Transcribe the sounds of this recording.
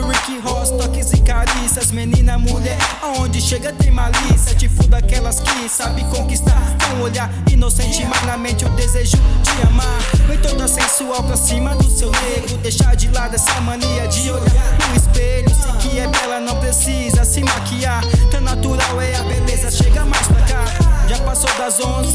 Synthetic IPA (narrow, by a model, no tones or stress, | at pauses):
ɾikɪɦɔst̪ɔkɪsɪkaɾisɐzmenĩnɐmuʎɛɾaõnd͡ʒɪʃeɡɐt̪ɾĩmalisɐd͡ʒɪfũd̪akɛlɐskɪsabɪkõkist̪aɾkõw̃oʎaɾinõw̃sẽt͡ʃimanɐmẽnt͡ʃɪʊd̪ezeʒʊd͡ʒɪɐ̃maɾfẽjt̪õd̪ɐsẽsuawpɾasĩmɐd̪ʊsewnebɾʊd̪ejʃaɾd͡ʒɪlad̪ɛsɐmɐ̃nejɐd͡ʒɪoʎaɾkũispeʎʊkɪɛpɛlɐnɐ̃w̃pɾesizɐsɪmakiaɾt̪ɐ̃nat̪uɾawɛɐbelezɐʃeɡɐmajspɾakaʒapasowd̪ɐzõ